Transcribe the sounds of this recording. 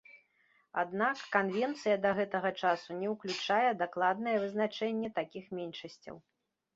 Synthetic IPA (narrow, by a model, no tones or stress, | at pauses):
a̰d̪nakːanvʲɛnt̪sɨjɐd̪ɐɣɛt̪ɐɣɐt͡ʂasunʲɛwklʲut͡ʂajɛd̪aklˠad̪̚nɐjɛvɨznat͡ʂɛnʲːɛt̪akʲixmʲɛnʲʂɐsʲt͡sʲɐ̰w